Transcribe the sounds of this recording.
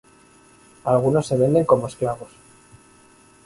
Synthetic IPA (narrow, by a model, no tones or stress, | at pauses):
alɣ̞uno̞sːe̞β̞e̞nd̪e̞ŋko̞moesklaβo̞s